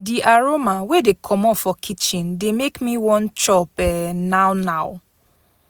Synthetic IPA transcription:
diʔaɹomawedekʰɔmɔfɔkʰit͡ʃĩndemekmiwɔ̃nt͡ʃɔpɛnawnaʊ

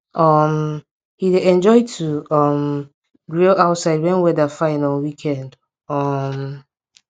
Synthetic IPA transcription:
ʔʌm | hidɛ̃nd͡ʒɔɪtʰuʌm | ɡɹilaʊtsaɪd̚wɛ̃nwɛdafãɪnəlwikʰɛ̃nd | ʌm

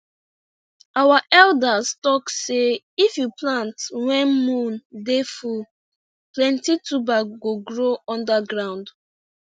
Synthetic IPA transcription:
awaʔɛldastɔkse | ifjuplãntwɛ̃nmũndefu | plɛ̃ntitubaɡoɡɹoɔ̃ndaɡɹãʊ̃nd

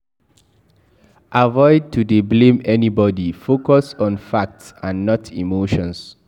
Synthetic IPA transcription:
ʔavɔɪd̚tudeblẽmɛnibɔdifokɔsɔ̃nfak̚tsãnːɔtʰḭmoʃɔ̃ns

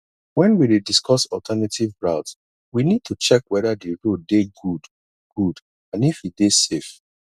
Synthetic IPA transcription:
wɛ̃nwiɹidiskʰɔsɔltʰɛnatʰivɹaʊt | winid̚tʰut͡ʃɛkwɛðadiɹodeɡud | ɡ̥ud | ãnifidesef

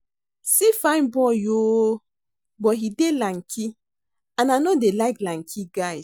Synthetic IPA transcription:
sifãɪ̃nbɔjoː | bɔɦidelaŋkʰi | ãnanodelaɪklaŋ̩kʰiɡaɪ

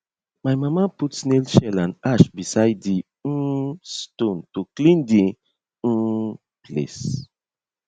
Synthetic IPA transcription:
majmamaputsnelʃɛlãnaʃbisajddi | stũntuklĩndi | plḛs

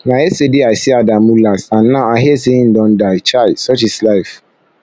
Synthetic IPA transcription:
nãesediasɪadãmũlasãnːãaɦɛseĩn̩dɔ̃ndat͡ʃʰaɪdsɔt͡ʃislaɪf

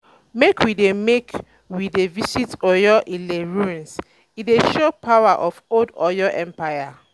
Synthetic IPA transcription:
mekʰwidemek | widevisitɔjɔʔĩnleɹũns | ideʃopʰawaʔɔfodɔjɔʔɛ̃mpaɪa

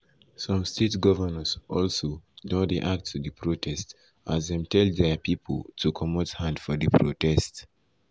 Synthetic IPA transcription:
sʌ̃mstʰetɡɔvənəsʔɔlsodõdeʔak̚tʰːuðəpʰɹotʰɛst | ʔazðɛ̃mtʰɛldðɛpipʰəltʰukʰɔmothãndfɔðɨpʰɹotɛst

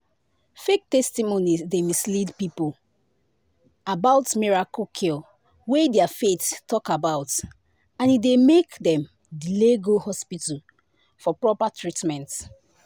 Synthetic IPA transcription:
fek̚tɛstimonisdemislidpipo | abaʊtmiɹakokʰi | wedɛafettːɔkabaʊt | ãnidemekdɛ̃m | dleɡohɔspita | fɔpɹɔpatʰɹitmɛ̃nt

